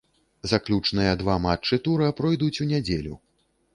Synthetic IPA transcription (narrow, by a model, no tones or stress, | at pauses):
zaklʲut͡ʂnɨjɐd̪vamat͡ʂːɨt̪uɾɨapɾɔjd̪ut͡sʲunʲɛd͡zʲelʲṵ